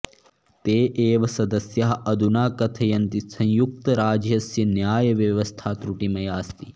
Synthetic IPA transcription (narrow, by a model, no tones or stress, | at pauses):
t̪eːʔeːʋɐsɐd̪ɐsjɐɦɐʔɐd̪unaːkɐt̪ʰɐjɐnt̪isɐ̃ɲjuk̚t̪ɐɾaːd͡ʒjɐsjɐnjaːjɐʋjɐʋɐst̪ʰaːt̪ɾuʈimɐjaːst̪i̥